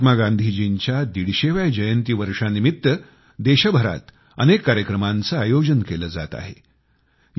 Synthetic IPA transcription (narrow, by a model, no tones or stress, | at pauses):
t̪maɡand̪ʱiːd͡ʑiɲt͡ɕjad̪iɽɕeʋjad͡ʑəjənt̪iːʋəɾʂanimit̪ːə | d̪eɕəbʱəɾa̰t̪ | ənekːaɾjəkɾəmant͡səajod͡ʑənkeləd͡za̰t̪a̰ɦe | j